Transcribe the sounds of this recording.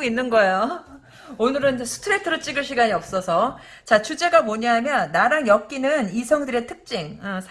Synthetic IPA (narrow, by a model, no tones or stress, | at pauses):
inːɯnɡʌejo | onɯɾɯnsʰu̥tʰɯɾetʰɯɾɯt͡ɕ͈iɡɯɭɕ̬ʰiɡaɲiʌp̚s͈ʌsʰʌ | t͡ɕat͡ɕʰud͡ʑe̞ɡamoɲaɦamjʌnːaɾaŋjʌk̚k͈inɯnisʰʌŋdɯɾe̞tʰɯk̚t͡ɕ͈iŋʌsʰ